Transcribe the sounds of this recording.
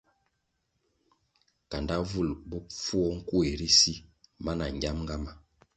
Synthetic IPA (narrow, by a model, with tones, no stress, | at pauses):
ka˨nda˦vu˦˨lbu˦fu˦ɔ˦ŋ̩˦ku˦e˨ɾi˦si˦ma˦na˨ŋ˨ɡja˦mŋɡa˦ma˦